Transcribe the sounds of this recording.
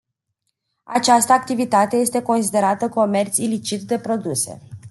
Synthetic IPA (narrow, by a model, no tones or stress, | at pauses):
a̰t͡ʃast̪əak̚t̪ivit̪at̪e̞je̞st̪e̞ko̞nsid̪e̞ɾat̪əko̞me̞rt̪silit͡ʃit̪d̪e̞pɾo̞d̪use̞̰